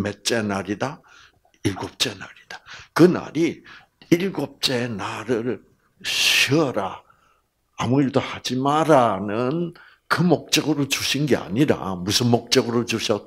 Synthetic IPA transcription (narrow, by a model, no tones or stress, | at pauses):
met̚t͡ɕ͈e̞naɾida | iɭɡop̚t͡ɕ͈e̞na̰ɾid̥akɯna̰ɾi | iɭɡop̚t͡ɕ͈e̞naɾɯɭ | ɕiʌɾaː | muiɭdohad͡ʑimaɾanɯn | kɯmok̚t͡ɕ͈ʌɡɯɾot͡ɕuɕʰinɡea̰ɲiɾa̰musʰɯnmok̚t͡ɕ͈ʌɡɯɾot͡ɕuɕʰʌ